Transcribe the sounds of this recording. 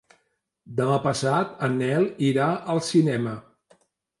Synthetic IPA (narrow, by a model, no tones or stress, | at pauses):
d̪əmapəsat̪ənɛlˠiɾaʔəlˠsinɛmə